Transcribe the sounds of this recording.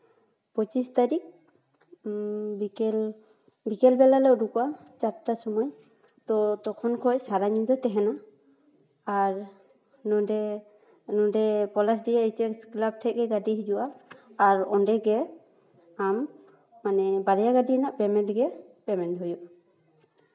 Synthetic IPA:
pɔt͡ʃist̪aɾik̚ | bikɛl | bikɛlbɛlalɛɔdukɔat͡ʃap̚tasɔmɔj | t̪ɔt̪ɔkʰɔnkʰɔjsaɾaɲid̪ɔt̪ɛɦɛna | ɹ | nɔdɛ | nɔdɛpɔlas̬dijaejt͡ʃɛsklab̚ʈʰɛʔ̚ɡɛɡadiɦid͡ʒuʔaːɹɔndɛɡɛ | amː | anɛbaɾɛjaɡadinaʔpɛmɛntɡɛpɛmɛntɦujɔ

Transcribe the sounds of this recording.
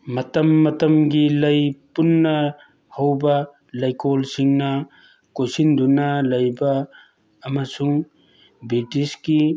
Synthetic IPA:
mɐtɐmːɐtɐmɡilɐjpunːɐ | hɐwbɐ | lɐjkʰolsiŋnɐ | kojsindunɐlɐjbɐː | mɐsuŋ | bitiski

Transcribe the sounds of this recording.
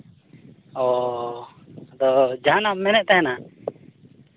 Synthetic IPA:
ɔ | d̪ɔd͡ʒanamːɛnɛʔ̚t̪ajana

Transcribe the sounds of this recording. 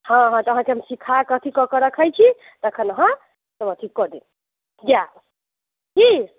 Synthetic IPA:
hʌ̃ɦʌ̃t̪ʌɦãkeɦʌmsikʰakʌt̪ʰikʌkʌɾʌkʰʌjt͡ʃʰi | t̪ʌkʰʌnʌɦʌ̃ | t̪ʌmʌ̃t̪ʰikʌd̪in | d͡ʒa | ki

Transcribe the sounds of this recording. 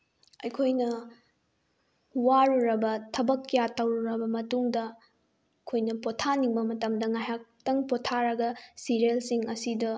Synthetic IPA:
ɐjkʰojnɐ | waɾuɾɐbɐtʰɐbɐkːjatɐwɾuɾɐbɐmɐtuŋdɐ | kʰojnɐpotʰaniŋbɐmɐtɐmdɐŋajɦak̚tɐŋpotʰaɾɐɡɐsiɾelsiŋɐsidɐ

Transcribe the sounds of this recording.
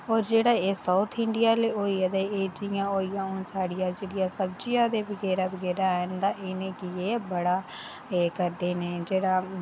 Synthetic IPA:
ɔːɾd͡ʒeːɽaːeːsaʊt̪ʰɪɳɖɪjaːleːoːiːəd̪eːeːd͡ʒɪjãːoːijãːʊnsaːɽɪjãːd͡ʒeːɽɪjãːsəbd͡ʒɪjãːd̪eːbəɡɛːɾaːbəɡɛːɾaːənd̪ãːʔeːneːkɪeːbəɽaː | eːkəɾd̪eːneːd͡ʒeːɽaː

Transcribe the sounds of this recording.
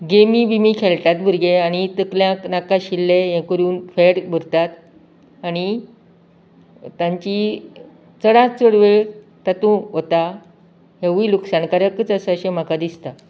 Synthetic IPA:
ɡemibimikʰeɭt̪at̪bʱəɾɡeaɽ̃it̪əkljãknakãɕilːejẽkəɾuːnfeɽbʱəɾt̪at̪ | aɽ̃i | t̪ãɲt͡ɕi | t͡səɽãt͡səɽʋeɭ | t̪at̪ũɦot̪a | ɦẽʋiluksankaɾjəkət͡səsaɕẽm̤akad̪ist̪a

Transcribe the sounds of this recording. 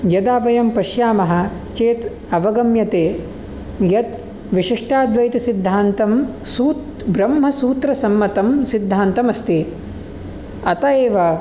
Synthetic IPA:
jɐd̪aːʋɐjɐmpɐʃjaːmɐɦɐ̆t͡ʃeːt̪ | ɐʋɐɡɐmjɐt̪eː | jɐt̪ | ʋiʂiʂʈaːd̪ʋɐjt̪ɐsid̪ʱːaːnt̪ɐm | suːt̪ | bɾɐmɦɐsuːt̪ɾɐsɐmːɐt̪ɐmsid̪ʱːaːnt̪ɐmɐst̪i | ɐt̪ɐeːʋɐ

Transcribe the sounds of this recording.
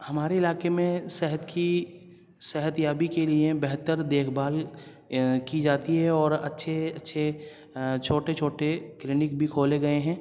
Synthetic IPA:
hɐmaːɾeɪlaːkemẽsɛɦət̪ki | sɛɦət̪jaːbikeliebɛɦt̪əɾd̪eːkʰbaːl | kid͡ʒaːt̪iɦɛɔːɾɐ̰tːʃʰeɐtːʃʰe | t͡ʃʰoːʈet͡ʃʰoːʈekɾɪnɪkbʱikʰoːleɡɐeɦɛ̃ː

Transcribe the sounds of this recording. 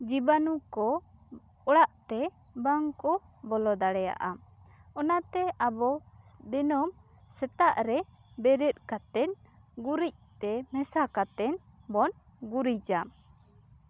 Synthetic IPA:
d͡ʒibanukɔ | ɔɽaʔt̪ɛ | baŋkɔbɔlɔd̪aɽɛja̰ʔa | ɔnat̪ɛabɔd̪ɛnɔm | sɛt̪aʔɾɛ | bɛɾɛt̪̚ˀkat̪ɛnɡuɾic̚t̪ɛmɛsakat̪ɛn | bɔn | ɡuɾid͡ʒa

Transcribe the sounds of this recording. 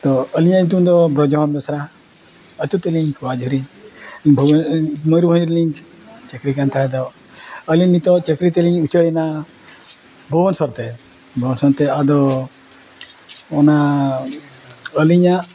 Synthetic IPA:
t̪ɔəliɲaĩt̪̬und̪ɔbɾɔd͡ʒɔɦɔnd̪ɔsɾa | ət̪ut̪eliɲkʰuwad͡ʒʱuɾi | bʱubnmɔjɾubʱɔ̃niɾliŋk | t͡ʃekɾikant̪ʰaɦɛd̪ɔ | əlinit̪ɔt͡ʃekɾit̪̬eliɲut͡ʃəɽina | bʱɔwɔnsɔɾt̪e | bʱɔwɔnsɔnt̪ead̪ɔ | ɔna | əliɲa

